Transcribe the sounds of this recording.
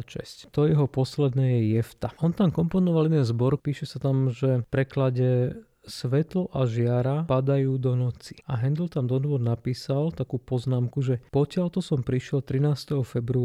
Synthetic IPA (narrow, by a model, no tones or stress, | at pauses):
ʃɛ̰sct̪ɔjɛɦɔpɔslɛd̪nɛːjɛjɛft̪aʔɔnt̪amkɔmpɔnɔʋalid̪ɛnzbɔɾpiːʃɛsat̪amʒɛpɾɛklaɟɛ | sʋɛt̪lɔʔaʒɪaɾapad̪ajuːd̪ɔnɔt͡si̥aɦɛnd̪l̩t̪amd̪ɔd̪ʋɔd̪napiːsalt̪akuːpɔznaːmkuʒɛpɔcɪalt̪ɔsɔmpɾiʃɪɛlt̪ɾinaːst̪ɛɦɔfɛbɾu